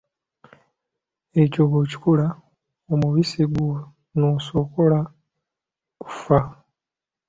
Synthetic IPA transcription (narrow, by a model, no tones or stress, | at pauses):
ecoɡoci̥kula | omuβisiɡu | noːso̞ko̞la | ku̥fa